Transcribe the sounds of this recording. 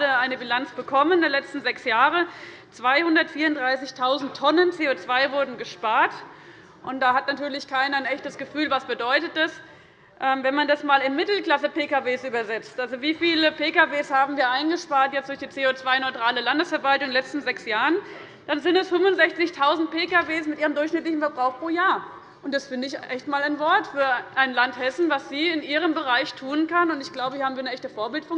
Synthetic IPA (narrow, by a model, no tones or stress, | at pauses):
əaɪnəbilant͡sb̥əkʰɔməndeːɐlɛt͡stn̩zɛksjaːʁə | t͡sv̥aɪhʊndɐtfiːɐʊndʁaɪsɪçtʰaʊzn̩tʰːɔnənt͡seːoːt͡sv̥aɪvʊɐdn̩ɡəʃpaːɐt | ʔʊnt̚d̥aːhatnatʰyːɐlɪçkʰaɪnɐɪnɛçtəsɡ̥əfyːlvasb̥ədɔʏtət̚d̥as | ʔɛːmvɛnmandasmaːlɪnmɪtl̩kl̥asəpeːkaveːsʔyːbɐzɛt͡stʔalzoviːfiːləpeːkaveːshaːbm̩viːɐʔaɪnɡəʃpaːɐtjɛt͡std̥ʊɐçd̥iːt͡seːot͡sv̥aɪnɔʏtʁ̥aːləlandəsfɛɐvaltʊŋɪnlɛt͡stn̩zɛksjaːʁən | d̥anzɪntɛshʊmʊntz̥ɛçt͡sɪçtʰaʊzn̩t̚peːkaveːsmɪtʔiːʁəmdʊɐçʃnɪtlɪçn̩fɛɐbʁaʊxpʁ̥oːjaːɐ | ʔʊntd̥asfɪndəɪçʔɛçtmaːlaɪnvɔɐtfyːɐʔaɪnlanthɛsn̩vasz̥iːɪnʔiːʁ̞əmbəʁ̞aɪçtʰuːənkanʊntɪçɡ̥laʊbəhaːbmviɐnəʔɛçtəfoːɐbɪltfʊŋ